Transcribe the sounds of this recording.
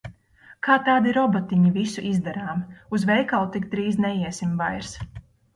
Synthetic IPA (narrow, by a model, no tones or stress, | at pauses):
kaːt̪aːd̪iɾɔbɔt̪iɲivisuʔizd̪ɛɾaːmuzvɛjkalˠt̪ikd̪ɾiːznɛjiɛsimvajɾs